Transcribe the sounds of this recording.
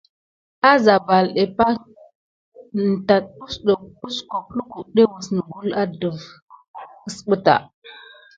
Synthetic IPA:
a˦za˨ba˨lɗe˨pa˦ | n̩˨ta˨t̚u˦sɗo˨u˦sko˨plu˦ku˨ɗe˦wu˨sn˨ɡu˦la˦də˨v | ə˨sɓə˦ta̰˨

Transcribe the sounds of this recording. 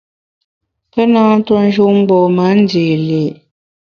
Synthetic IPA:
pɛ˦nãː˦to˦n̩˦ʒu˦ʔŋ͡m̩˦ɡ͡bɔ˨ma˨˦n̩˦de˨le˨

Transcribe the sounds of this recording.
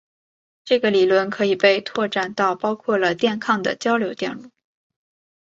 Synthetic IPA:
ʈ͡ʂɤ˥˩ɡə˩li˨˩lwə˥˩nkʰɤ˧˥i˨˩pe˥˧ɪt̪ʰwɔ˥˧ʈ͡ʂa˥˧nt̪ɑ˥˩ʊpɑ˥ʊkʰwɔ˥˩lə˩t̪jɛ˥˧nkʰɑ˥˩ŋd̪ə̰˩t͡ɕjɑ˥ʊljo˧˥ʊt̪jɛ̰˥˧nu˥˩

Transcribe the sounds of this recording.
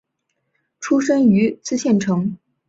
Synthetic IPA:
ʈ͡ʂʰu˥ʂə˥ŋy˧˥t͡sɹ̩˥˧ɕjɛ˥˩nʈ͡ʂʰɤ˧˥ŋ

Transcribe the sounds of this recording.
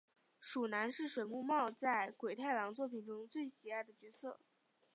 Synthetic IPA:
ʂu˨˩na˧˥nʂɻ̩˥˩ʂwe˨˩ɪmu˥˧mɑ˥˧ʊt͡sa˥˩ɪkwe˨˩ɪt̪ʰa˥˩ɪlɑ˧˥ŋt͡swɔ˥˩pʰi˨˩nʈ͡ʂʊ˥ŋt͡swe˥˩ɪɕi˨˩a˥˩ɪd̪ə˩t͡ɕɥɛ˧˥sɤ̰˥˩

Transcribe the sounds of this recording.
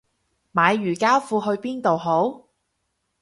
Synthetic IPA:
maː˨˧jːyː˨˩kaː˥wfuː˧ɦɵ˧ɥpiː˥nt̪o˨wɦo˨˥w

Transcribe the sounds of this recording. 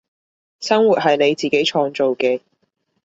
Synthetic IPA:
sɐ˥ŋwuː˨t̚ɦɐ˨jne˨˧jt͡siː˨ke˨˥jt͡ʃʰɔː˧ŋt͡so˨wkɛː˧

